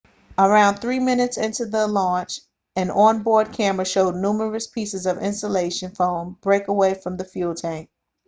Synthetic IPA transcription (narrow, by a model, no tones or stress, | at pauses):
ə˞ãʊ̃nθɹimɪ̃nɨtsɪ̃ntʉðəlɑ̃nt͡ʃ | ɨ̃nʔə̃nbɔɹd̚kʰæmə˞ʃoʊdⁿnumə˞ɨspʰisɨzʌvɪ̰̃nstəleɪʃɨ̃nfõʊ̃nb̥ɹeɪkəweɪfɹʌ̃mðɨfjulˠtʰæ̃ŋk̚